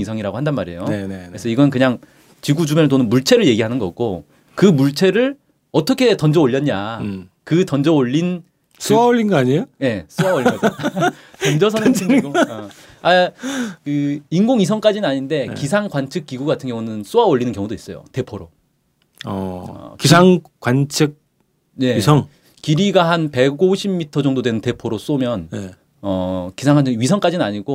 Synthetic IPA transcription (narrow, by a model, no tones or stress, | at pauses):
isʰʌŋiɾaɡohandanmaɾejoeeɾesʰʌiɡʌnɯnk̬ɯɲaŋ | t͡ɕiɡud͡ʑumjʌnt̬͈onɯnmuɭt͡ɕʰe̞ɾɯɭje̞ɡiɦanɯnɡʌ̰k͈o | kɯmuɭt͡ɕʰe̞ɾɯɭ | ʌtʰʌkʰe̞tʌnd͡ʑʌoʎːʌɲɲa | kɯtʌnd͡ʑʌoʎːin | s͈oaoʎːinɡʌaɲejoje̞s͈owaoʎːiɡʌd͡ʑ | t͡ɕʌnd͡ʑʌs̬ʰʌnet͡ɕʰiŋɡoʌ | akɯinɡoŋisʰʌŋk͈ad͡ʑinɯnaɲinde̞kisʰaŋɡwant͡ɕʰɯk͈̚iɡuɡatʰɯnɡjʌŋunɯns͈owaoʎːinɯnkjʌŋudois͈ʌjo̰te̞pʰoɾo̰ | ʌ̰kisʰaŋkwant͡ɕʰɯk̚ | je̞isʰʌŋ | kiɾiɡahanpe̞ɡoɕʰibmitʰʌd͡ʑʌŋdodwenɯnte̞pʰoɾos͈omjʌn | ʌkisʰaŋanʰɯɥisʰʌŋk͈ad͡ʑinɯnaɲiɡo